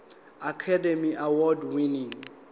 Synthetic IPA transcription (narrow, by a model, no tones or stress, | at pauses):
akʰademiʔawɔdwiniŋ